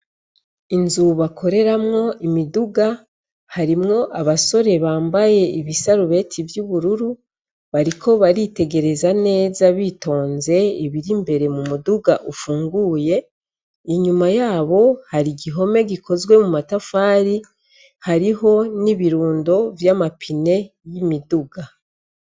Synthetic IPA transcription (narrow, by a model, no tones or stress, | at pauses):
inzuβakʰo̞ɾe̞ɾamŋo̞ʔimiduɡa | haɾimŋo̞ʔaβaso̞ɾe̞βaːmbaje̞iβisaɾuβe̞tʰivjuβuɾuɾu | βaɾikʰo̞βaɾite̞ɡe̞ɾe̞zane̞ːzaβito̞ːnze̞iβiɾimbe̞ɾe̞mumuduɡaʔufuːŋɡuːje̞ | iɲumajaːβo̞haɾiɡiɦo̞me̞ɡiko̞zwe̞mumatafaːɾi | haɾiɦo̞niβiɾuːndo̞vjamapʰine̞ | jimiduɡa